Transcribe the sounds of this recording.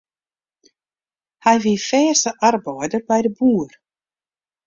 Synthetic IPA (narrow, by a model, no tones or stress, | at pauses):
hajvɪifɛ̥ːsaaɾpoːwat̪ʏɾpajɾɪpuːʏɾ̥